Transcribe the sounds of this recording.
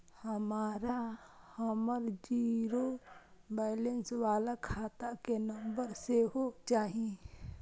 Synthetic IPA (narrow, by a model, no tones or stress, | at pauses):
həmaːɾahəməɾd͡ʒiːɾo | bɛːlenswaːlakʰaːt̪akenə̃mbəɾseɦot͡ʃaːɦi